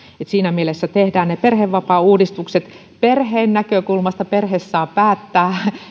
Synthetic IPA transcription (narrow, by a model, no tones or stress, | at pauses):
et̪siːnæmielesːæt̪ehdæːnneperheʋʋɑpɑuːdist̪ukset̪ | perheːnnækøkulmɑst̪ɑperhesːɑːpæːt̪ːæː